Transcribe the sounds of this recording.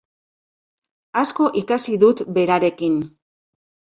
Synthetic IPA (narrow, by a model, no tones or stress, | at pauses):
asko̞ʔikasiðut̪be̞ɾaɾe̞kin